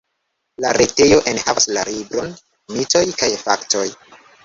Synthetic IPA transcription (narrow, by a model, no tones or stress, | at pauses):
laɾʔete̞jo̞ʔe̞nhavaslaɾibɾon | mito̞jkajfakto̞j